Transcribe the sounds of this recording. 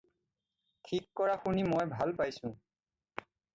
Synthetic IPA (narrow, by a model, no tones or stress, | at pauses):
tʰikːɔɹaxunimɔjbʱalpajsʊ̃